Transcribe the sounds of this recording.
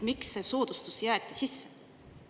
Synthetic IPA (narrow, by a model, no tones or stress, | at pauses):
miksːe̞so̞ːd̪̥ust̪usjæːt̪ːˑisisːe̥